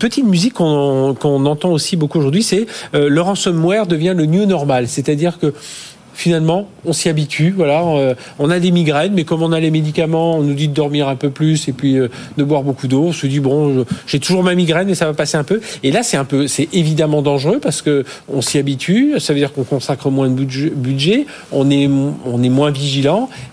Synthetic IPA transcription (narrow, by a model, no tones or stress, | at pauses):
pət̪it̪myzikːɔ̃kɔ̃nɑ̃t̪ɑ̃osibokuoʒuʁd̪ɥisɛølɔʁɑ̃sɔmːwɛʁd̪əvjɛ̃lənjønɔʁmalsɛt̪ad̪iʁkə | finalmɑ̃ɔ̃siabit̪ʰyvwalã | ɔ̃nad̪emiɡʁɛnmɛkɔmɔ̃nalemed̪ikamɑ̃ɔ̃nud̪id̪əd̪ɔʁmiʁɛ̃pøplysepɥiø | d̪əbwaʁbokud̪oɔ̃səd̪ibɔ̃ʒəʒ̥ɛt̪uʒuʁmamiɡʁɛnesavapaseɛ̃pøelasɛt̪ɛ̃pøsɛevid̪amɑ̃d̪ɑ̃ʒʁøpaʁsə̥kə | ɔ̃siabit̪ɥysavød̪iʁkɔ̃kɔ̃sakχəmwɛ̃d̪əbyʒbyd̪ʒɛ | ɔ̃nɛmɔ̃nɛmwɛ̃viʒilɑ̃